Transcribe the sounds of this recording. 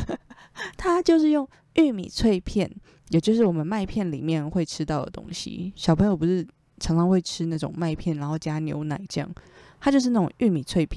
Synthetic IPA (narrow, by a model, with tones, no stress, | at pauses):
t̪ʰa˥t͡ɕjo˥˧ʊʂɻ̩˥˧jʊ˥˧ŋ | y˥˩mḭ˨˩t͡sʰwe˥˧ɪpʰjɛ˥˩n | jo˨˩t͡ɕjʂɻ̩˥˩wɔ˨˩mə˦nma˥˧ɪpʰjɛ˥˩nlḭ˨˩mjɛ˥˨nxwe˥˩ɪʈ͡ʂʰɻ̩˥t̪ɑ˥˩ʊd̪ə̰˩t̪o̰˥ŋɕḭ˧ɕjɑ˨ʊpʰɤ˧˥ŋjo˨˩ʊpu˧˥ʂɻ̩˥˩ | t͡sʰɑ˧˥ŋʈ͡ʂʰɑ˥ŋxwe˥˩ɪʈ͡ʂʰɻ̩˥na˥˩ʈ͡ʂʊ̰˨˩ŋma˥˧ɪpʰjɛ˥˩nɻa˧˥nxo˥˩ʊt͡ɕja˥njo̰˧˥˦ʊna˨˩˦ɪt͡ɕjɑ̰˥˩ŋt̪ʰa˥t͡ɕjo˥˧ʊʂ̬̩˥˧na˥˩ʈ͡ʂʊ̰˨˩ŋʔy˥˩mi˨˩t͡sʰwe˥˧ɪpʰ